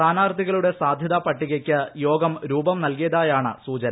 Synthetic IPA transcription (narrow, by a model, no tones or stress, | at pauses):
aːnaːrd̪ʱiɣɐɭuɽe̞saːd̪ʱjɐðapɐʈːiɣɐkʲːɨjo̞ːɡɐmɾuːbɐmnɐlkijɐðaːjaːɳɨsuːt͡ɕɐnɐ